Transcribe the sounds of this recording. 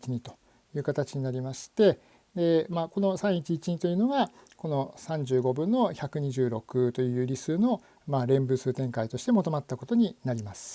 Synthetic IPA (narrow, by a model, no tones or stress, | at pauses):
t͡ɕiɲ̟it̪o̞ | jɯ̟ːkat̪at͡ɕiɲ̟inaɾʲimaɕi̥t̪e̞ | d̪e̞maːko̞no̞sãɰ̃it͡ɕiːt͡ɕiɲ̟it̪o̞jɯ̟no̞ɡa | ko̞no̞sãɲ̟d͡ʑɨːɡo̞bɯ̟̃nːo̞çakɯ̟ɲ̟iʑɨːɾo̞kɯ̟t̪o̞jɯ̟jɯ̟ːɾʲisɨːno̞ | maɾẽ̞mbɯ̟sɨːt̪ẽ̞ŋkait̪o̞ɕi̥t̪e̞mot̪o̞mat̪ːako̞t̪o̞ɲ̟inaɾʲimasɨ̥